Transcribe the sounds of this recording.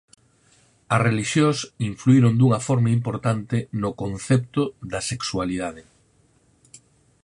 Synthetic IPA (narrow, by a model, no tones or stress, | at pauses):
ɐsreliʃjosiɱfluiɾond̪uŋɐfɔɾmaimpoɾt̪ant̪ɪnʊkonθɛpt̪ʊðɐseksualiðaðɪ